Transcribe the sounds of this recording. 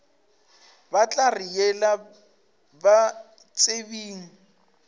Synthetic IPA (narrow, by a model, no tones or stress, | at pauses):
bat͡ɬʼarijɛla | ba | t͡sʼebiːŋ̩